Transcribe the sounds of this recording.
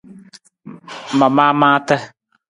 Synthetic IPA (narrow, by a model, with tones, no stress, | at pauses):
ma˨maː˦mãː˦tə˦